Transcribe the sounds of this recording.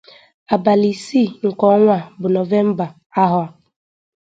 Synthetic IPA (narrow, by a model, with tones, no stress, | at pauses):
a˨ba˨li˨si˦˨ŋ̩˨kɔ˦ŋʷa˦˨bʊ˨no˨ve˦m̩˦ba˨ | a˦ɦʊ˨a˨